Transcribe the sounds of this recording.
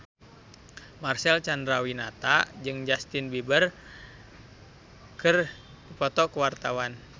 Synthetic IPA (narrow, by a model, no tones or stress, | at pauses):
marsɛlt͡ʃandɾawinat̪ad͡ʒɨŋd͡ʒast̪ɪnbibər | kɨr | dipɔt̪ɔkəwart̪awan